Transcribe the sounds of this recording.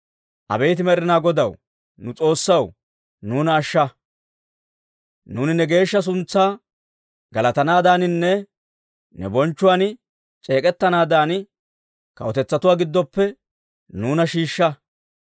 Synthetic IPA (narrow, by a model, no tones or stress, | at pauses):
ʔɐ̰bɛjt̪̬ɪmɛɾɪnaːɡɔd̪ɐw | nʊt͡sʼo̞ːsːɐw | nuːnɐːʃːɐ | nuːnɪnɛɡe̞ːʃːɐs̬ʊnt͡sːaː | ɡɐlɐt̪ɐnaːd̪aːnɪnːɛ | nɛ̰bɔnt͡ʃːʊwaːn | t͡ʃʼe̞ːkʼɛt̪ːɐnaːd̪aːn | kɐ̰wɔt̪ɛt͡sːɐt̪ʊwaːɡɪd̪ːɔpːɛ | nuːnɐʃiːʃːɐ